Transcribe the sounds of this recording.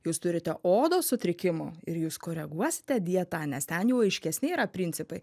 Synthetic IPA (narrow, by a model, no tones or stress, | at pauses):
juːst̪ʊɾʲɪt̪ʲɛʔoːd̪oːsʊt̪ʲɾʲɪkʲɪmʊ̰ɪɾjuːskoːɾʲɛɡuɔsʲɪ̥t̪ʲɛd̪ʲiɛt̪ɑːnʲɛst̪ʲɛnjɛʊɐɪʃʲkʲɛsʲnʲɪiːɾɐpʲɾʲɪnʲtsʲɪpɐɪ